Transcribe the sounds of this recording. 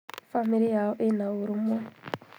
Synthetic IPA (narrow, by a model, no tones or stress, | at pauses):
famiɾijaɔʔinawuɾumɛ